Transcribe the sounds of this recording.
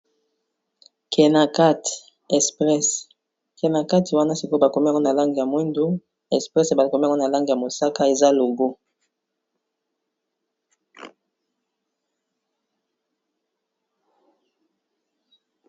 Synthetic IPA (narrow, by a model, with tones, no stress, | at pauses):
kʰɛ˨na˨ka˦t | ɛ˨spʁɛ˦s | kɛ˨na˨ka˦ti˨wa˦na˦si˨ko˦ba˨ko˨mi˦a˨ŋɡo˦na˨la˦ŋɡi˨ja˨mwi˦ndu˦ | ɛ˨spʁɛ˦se˨ba˨ko˨mi˦˨ŋ˦na˨la˦ŋɡi˨ja˨mo˨sa˦ka˦e˨za˦lo˨ɡo˦